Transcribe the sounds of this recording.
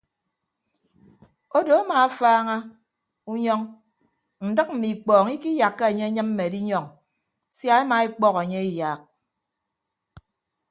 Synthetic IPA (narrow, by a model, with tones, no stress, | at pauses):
o˦do˨a˦maː˨a˦faː˦ŋa˦ | u˦ɲɔ˦ŋ | n̩˨dɨ˦k̚m̩˨mi˨k͡pɔː˨ŋi˦ki˦ja˨kːe˦e˨ɲe˦ɲɨ˦mm̩˦me˨di˦ɲɔ˦˨ŋ | sja˦e˦ma˨e˦k͡pɔ˦ke˨ɲe˦i˦ja˨k̚